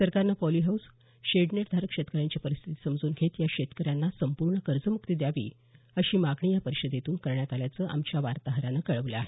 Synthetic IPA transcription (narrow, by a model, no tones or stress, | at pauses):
səɾkaɾnapɔliɦaws | ɕeɖneʈd̪ʱaɾəkʂet̪kəɾjaɲt͡ɕipəɾist̪ʰit̪i̥səmd͡zuːnɡʱet̪jakɕet̪kəɾjanːasəmpuɾɳəkəɾd͡zəmuk̚t̪id̪jaʋḭː | əɕiːmaɡɳijapəɾiɕəd̪jet̪uːnkəɾɳjat̪aljat͡səːʔa̰mt͡ɕjaʋaɾt̪aɦəɾanakəɭəʋləaɦe